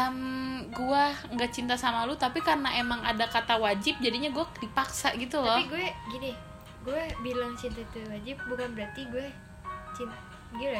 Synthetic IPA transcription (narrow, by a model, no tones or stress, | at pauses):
əmɡuaŋɡaʔt͡ʃint̪asamalut̪apikarnaʔemaŋadakat̪awad͡ʒɪp̚d͡ʒadiɲaɡuadipaksaʔɡit̪ulɔiɡuɛɡini | ɡuɛbilaŋt͡ʃint̪ait̪uwad͡ʒɪp̚bukanbəɾart̪iɡuɛ | t͡ʃint̪a | ɡula